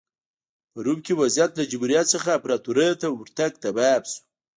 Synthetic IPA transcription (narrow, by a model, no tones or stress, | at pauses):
pəɾub̚kewazjat̪lad͡ʒʊbuɾijat̪səxaːpɾɑt̪uɾəjot̪awɾt̪aɡ̚t̪ababsu̥